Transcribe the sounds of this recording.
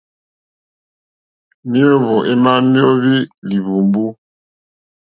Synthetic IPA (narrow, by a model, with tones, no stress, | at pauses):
mi˦o˦βɔ˨ʔe˦ma˦mi˦o˦βi˦li˨βu˨mbu˦